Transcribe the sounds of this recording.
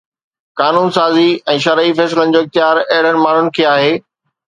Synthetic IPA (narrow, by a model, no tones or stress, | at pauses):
kaːnuːnsaːziɛ̃ːʃɐɾəifɛːs̬ɪlənɪ̆d͡ʑoːɪxt̪ɪjaːɾɛɦɪɽ̤əñɪ̆maːɳ̤ʊnɪ̆kʰeːaːɦeː